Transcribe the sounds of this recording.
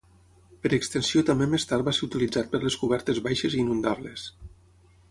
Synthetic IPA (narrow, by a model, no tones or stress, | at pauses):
peɾekst̪ensiot̪ambemest̪aɾbaseɾut̪ilid͡zat̪̚pəɾleskuβɛɾt̪ezβajʃeziːnund̪aβles